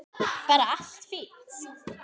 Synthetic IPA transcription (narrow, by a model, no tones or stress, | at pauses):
vɛːɾaaɬt̪fɪt̪